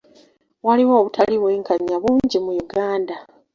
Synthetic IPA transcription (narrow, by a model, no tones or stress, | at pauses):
waliwoːβutʰaliβweːŋkʰaɲːaβuːɲɟimujuɡaːnda